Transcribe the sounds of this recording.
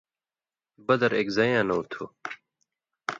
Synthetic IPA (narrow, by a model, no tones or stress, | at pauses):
bɐd̪ɐɾeːkzɐjãːnɐut̪ʰoː